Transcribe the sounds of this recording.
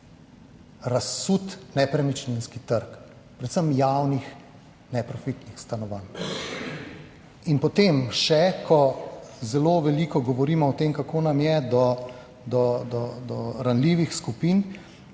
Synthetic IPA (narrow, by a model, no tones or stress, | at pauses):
ɾasːut̪nɛpɾɛmit͡ʃninskit̪əɾk | pɾɛt̪səmjawnix | nɛpɾɔfit̪nixst̪anɔʋan | inpɔt̪emʃɛkʰɔzɛloːʋɛliːkɔɡɔʋɔɾiːmɔɔt̪emkakoːnamjɛd̪ɔ | d̪ɔd̪ɔd̪ɔɾanliːʋixskupiːn